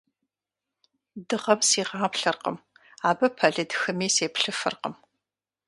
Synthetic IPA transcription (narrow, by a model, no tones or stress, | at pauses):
dɨʁɐmsiːʁɑːpɬɐrqə̰maːbɐpʰɐɮɨdxɨmiːseːpɬɨfɨ̰rqə̰m